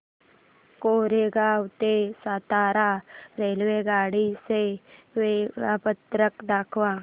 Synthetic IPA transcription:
koːɾeɡaːwt̪esaːt̪aːɾaːɾeːlweɡaːɽiseʋeɾaːpət̪ɾəkd̪aːkʰwaː

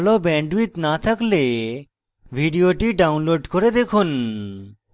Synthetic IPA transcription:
ɭobɛɳɖwit̪nat̪ʰakle | bʱiɖijoʈiɖawnloɖkoɾed̪ekʰun

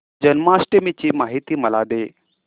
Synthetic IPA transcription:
d͡ʑənmasʈemit͡ɕiːmaːɦit̪iːməlad̪e

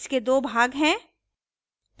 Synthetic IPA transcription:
sked̪oːbʱaːɡɦɛ̃ː | p

